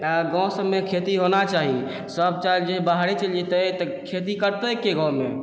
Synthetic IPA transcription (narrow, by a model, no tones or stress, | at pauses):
aɡɔ̃səmːekʰet̪iɦonat͡ʃaɦi | səb̚t͡ʃad͡ʒeɦbaɦɾit͡ʃəlet̪ət̪ə | kʰet̪̬ikəɾt̪əkːeɡãwmḛ